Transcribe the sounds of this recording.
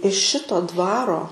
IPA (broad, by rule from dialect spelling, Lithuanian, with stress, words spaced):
ɪʃ ˈʃʲɪtoː ˈdʋɑːroː